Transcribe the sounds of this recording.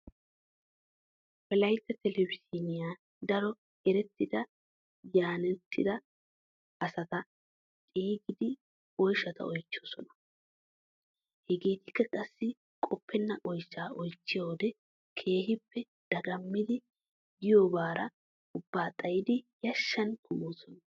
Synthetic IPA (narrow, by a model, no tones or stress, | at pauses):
pɛlɐjt̪ːɐt̪ɛlɛbɪsinɪjaː | d̪ɐɾɔ | ɛɾɛt̪ːɪd̪ɐ | jaːnɛt̪ːɪ̰d̪ɐ | ɐsɐt̪ɐ | t̪ʼiːɡɪd̪ɪ | ɔjʃɐt̪ɐ̰ɔjt͡ʃːɪɔsɔ̰nɐ̥ | hɛɡeːt̪ɪkːɐkʼɐsːɪ | kʼɔpːɛnːɐʔɔjt͡ʃːaːɔjt͡ʃːɪjawd̪ɛ | kʰe̞ːɦɪpːɛ | d̪̥ɐɡɐmːɪd̪ɪ | ɡɪjobaːɾɐ | ʊbːaːt̪ʼɐjɪd̪ɪjɐʃːɐnkʰʊmoːsɔnɐ